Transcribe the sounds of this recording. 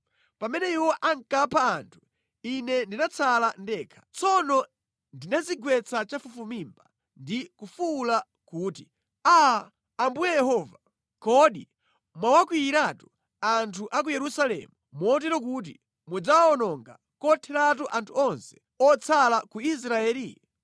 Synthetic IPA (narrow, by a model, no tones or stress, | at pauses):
pamɛnɛiwɔʔaŋkapʰaːntʰu̥ | inɛndinat͡sʰalandɛːkʰḁt͡sɔnɔ | ndinaziɡwɛt͡sat͡ʃafufumimba | ndikufula | kuːti | aː | mbujɛjɛhɔːva | kɔɗi | mwawakwiiɾatu̥ | antʰuʔak̬ujɛɾusalɛ̰mumɔːt̬ɛɾɔk̬ut̬ḭ | mud͡zaɔnɔŋɡa̰ | kɔtʰɛɾat̬uʔantʰuɔnsɛ̥ | ɔt͡sʰalakuis̬ɾaɛːli